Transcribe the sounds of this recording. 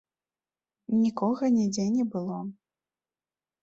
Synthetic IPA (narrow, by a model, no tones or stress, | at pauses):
nʲikɔɣɐnʲɛd͡zʲɛnʲɛbɨlˠɔ